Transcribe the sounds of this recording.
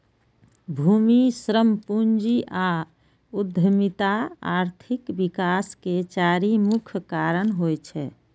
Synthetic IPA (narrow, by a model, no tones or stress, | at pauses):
bʱumisɾəmpund͡ʒiʔa | ud̪ʱəmit̪aa̰ɾt̪ʰikbikasket͡ʃaɾimukʰkaɾənɦojt͡ʃʰɛ